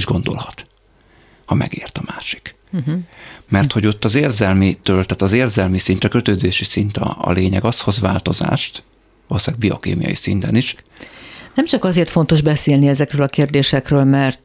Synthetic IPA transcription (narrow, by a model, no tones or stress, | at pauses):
ʒɡond̪o̞̰lhɒt̪ | hɒmɛ̰ɡeːrt̪ɒmaːʃi̥k | ɦmɛrt̪ho̞ɟo̞t̪ːɒzeːrzɛlmit̪øːlt̪aːt̪ɒzeːrzɛlmisint̪ɒkøt̪øːzeːʃisint̪ɒ̰ːleːɲɛɡɒsho̞zʋaːlt̪o̞za̰ːʃt̪ | olsaːɡ̚bio̞̰kḛːmijɒ̰jḭsint̪ɛniʃ | nɛmt͡ʃɒkɒzeːrt̪fo̞nt̪o̞ʒbɛseːlniɛzɛkrøːlɒkeːrd̪eːʃɛkrøːlmɛrt̪